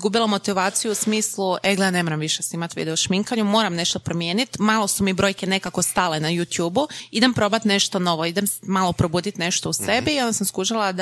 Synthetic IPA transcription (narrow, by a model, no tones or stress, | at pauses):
ɡubilˠamo̞t̪iʋaːt̪sijuusmiːslˠueɡlejaːne̞moɾamʋiʃesimat̪ʋḭd̪eoʃmiŋkaɲumo̞ːɾamne̞ʃt̪opɾo̞mjeːnit̪maːlˠo̞sumibɾo̞ːjke̞ne̞kako̞st̪ale̞najut̪juːbuid̪empɾo̞bat̪ne̞ʃt̪o̞no̞ʋo̞id̪emsmaːlˠopɾobuːd̪it̪ne̞ʃt̪ousebiiond̪asamskuːʒalˠad̪